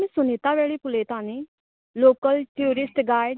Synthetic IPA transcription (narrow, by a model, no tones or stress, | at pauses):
ẽsʊneːt̪aːʋɛːɭepʊleːt̪aːneː | loːkəlʈiuːɾɪsʈɡaːɪɖ